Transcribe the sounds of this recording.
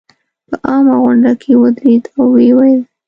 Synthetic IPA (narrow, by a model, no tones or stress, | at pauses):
pəʔɑmaɣʊɳɖakʰewəd̪ɾed̪awːewajl